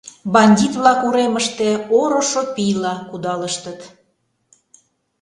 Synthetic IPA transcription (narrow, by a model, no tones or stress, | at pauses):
bɑnʲdʲit̪βlɑkuɾeməʃt̪eoɾoʃopijlɑkud̪ɑləʃt̪ət̪